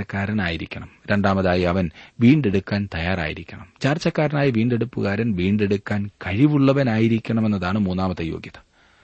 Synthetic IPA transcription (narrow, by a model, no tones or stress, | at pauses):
ɐkːaːɾɐnaːjiɾikʲːɐɳɐmɾe̞ɳɖaːmɐðaːjiɐʋɐnʋiːɳɖe̞ɽukːaːnt̪ɐjaːra̰ːjiɾikʲːɐɳɐmt͡ɕaːrt͡ɕːɐkːaːɾinaːjiʋiːɳɖe̞ɽupːuɣaːɾɐnʋiːɳɖe̞ɽukːaːnkɐɻiʋuɭːɐʋɐnaːjiɾikʲːɐɳɐme̞nːɐðaːɳɨmuːnːaːmɐt̪ːɐjo̞̰ːɡjɐðɐ